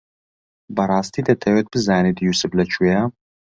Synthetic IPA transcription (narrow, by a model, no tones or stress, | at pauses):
bɐɾaːst̪ʰiːd̪ɐt̪ʰɐwɛt̪̚b̥ɨzaːnid̪jusɨblɐt͡ʃʰʼwija